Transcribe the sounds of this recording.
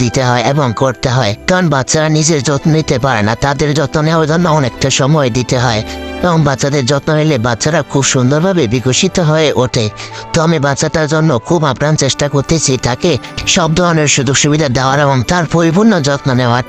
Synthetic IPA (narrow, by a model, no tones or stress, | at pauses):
d̪it̪eɦɔeebɔŋkoɽt̪eɦɔet̪anbatːʃaɾanid͡ʒeɾd͡ʒɔt̪nɔnit̪epaɾenat̪ad̪eɾd͡ʒɔt̪nɔneoɾd͡ʒɔnːɔɔnek̚ʈaʃɔmɔed̪it̪eɦɔeebɔŋbat͡ʃad̪eɾd͡ʒɔt̪nɔɦelebatːʃaɾakʰubʃund̪ɔɾbʱabebiɡoʃit̪ɔɦɔeʔoʈʰet̪ɔamibatːsaʈaɾd͡ʒɔnːokʰubapɾant͡ʃesʈakoɾt̪et͡ʃʰit̪akeʃɔb̚d̪ʱɔɾɔneɾʃud̪uʃubid̪ʱad̪aaɾebɔŋt̪aɾpoɾibunːɔd͡ʒɔt̪nɔnewa